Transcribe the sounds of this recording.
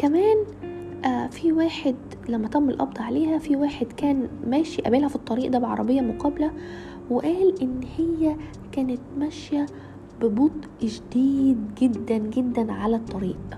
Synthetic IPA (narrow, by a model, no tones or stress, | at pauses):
kæmæːn | ʔæfiwæːħed̪ | læmːæt̪ˤɑmːelʔɑ̰b̚d̪ˤɑʕaleːhæfiwæːħed̪kæːnmæːʃiʔæ̰beːlhæfit̪ˤːɑɾiːʔd̪æːbeʕɑ̰ɾˤɑbejːɑmoqɑːbelæ | weʔæːlʔenːhejːæ | kæːnet̪̚mæʃjæ | bɪbot̪ˤ | ʒd̪iːd̪ɡed̪ːænɡed̪ːænʕalæt̪ˤːɑɾiːʔ